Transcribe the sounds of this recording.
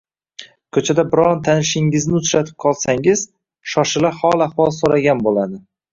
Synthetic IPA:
kʰɵt͡ʃʰad̪abɪɾɒnt̪ʰanɪʃɪŋɪznɪʊt͡ʃɾat̪ʰɪ̥p̚qʰɒlˠsaŋɪz | ʃɒʃɪlahɒlˠahwɒlˠsoɾaɡʲanbolad̪ɪ

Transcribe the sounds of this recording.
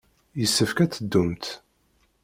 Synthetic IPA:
jəsːəfkæt͡sːəd̪ːumt̪

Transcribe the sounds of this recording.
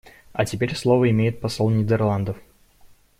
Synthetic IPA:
ɐtʲɪpʲeɾʲslˠovəɪmʲejɪt̪̚pɐsolˠnʲɪd̪ʲərlˠand̪əf

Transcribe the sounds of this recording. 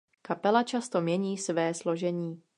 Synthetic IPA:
kapɛlat͡ʃast̪o̞mɲɛɲiːsvɛːslo̞ʒɛɲiː

